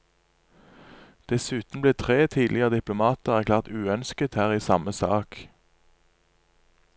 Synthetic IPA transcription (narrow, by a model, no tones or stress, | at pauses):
d̪̥ɛsʉːt̪n̩bleːt̪ʰʁeːt̪ʰiːd̪lɪəʁəd̪ɪplʊmɑːt̪əʁæʁklæːʁt̪ʉːœnskət̪hæːʁiːsɑməsɑːk